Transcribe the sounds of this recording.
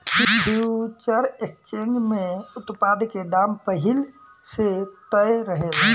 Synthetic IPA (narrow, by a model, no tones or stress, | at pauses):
piɖut͡ʃəɾekt͡ʃeŋɡmeut̪pad̪ked̪ampəɦil | set̪əjɾəɦel